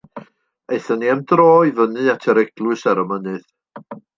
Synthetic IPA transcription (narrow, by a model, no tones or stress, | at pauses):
eɨθəniamdrɔːjvənɨatʰəɾɛɡ̥lˠwɨsaɾəmənɨð